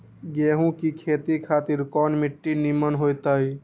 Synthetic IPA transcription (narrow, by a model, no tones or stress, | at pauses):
ɡeːɦũkikʰeːt̪ikʰaːt̪ɪɾkɔːnmɪʈːinimənɦoːjt̪aːɦi